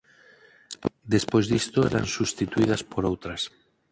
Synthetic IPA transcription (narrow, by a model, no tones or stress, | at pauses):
d̪espo̞jzðist̪oḛɾa̰nsust̪it̪uið̞aspoɾowt̪ɾas